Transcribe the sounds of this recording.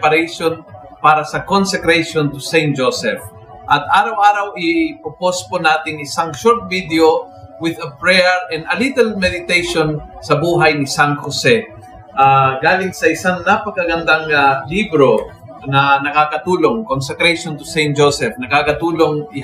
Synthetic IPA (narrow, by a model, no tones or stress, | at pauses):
pɐɾɛjʃon | paːɾɐsɐkonsɛkɾɛjʃont̪ʊsɛjnt̪̚d͡ʒosɛf | ʔɐt̪̚ʔaːɾɐwʔaːɾɐwʔɪpoposponaːt̪ɪŋɪsaŋʃoɹt̪̚vid̪jo | wɪd̪ɐpɹɛɹʔɛnd̪ɐlit̪ɛlmɛd̪ɪt̪ejʃonsɐbuːɦɐjnɪsaŋhosɛ | ʔaɡaːlɪŋsɐʔɪsaŋnapɐkɐɡɐnd̪aŋalibɾo | nɐnɐkakɐt̪uːloŋkonsɛkɾɛjʃont̪ʊsɛjn̚d͡ʒosɛfnɐkakɐt̪uːloŋɪ